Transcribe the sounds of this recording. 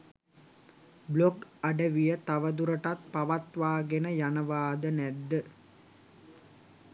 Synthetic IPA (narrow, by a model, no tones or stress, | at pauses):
bloɡaɖəʋijət̪aʋəd̪uɾəʈat̪paʋat̪ʋaːɡenəjanɐʋaːd̪ənæd̪ːə